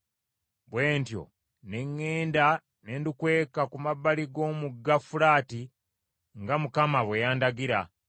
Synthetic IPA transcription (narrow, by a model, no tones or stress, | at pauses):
βwe̞ːntjo̞̰ | ne̞ŋːe̞ːnda | ne̞ːndukwe̞ːkakumaβːaliɡo̞ːmuɡafulaːti | ŋɡamukamaβwejaːndaɡiɾa